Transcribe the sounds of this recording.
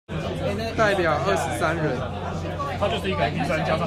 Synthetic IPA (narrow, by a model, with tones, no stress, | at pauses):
t̪a˥˩ɪpjɑ˨˩ʊʔə˥˩ʂɻ̩˨˩sa˦˥nɻə˨˦n | t̪ʰa˥t͡ɕjt̪e˥˩i˥˩ka˨˩ti˥˧˩swa˥˧˩nt͡ɕja˥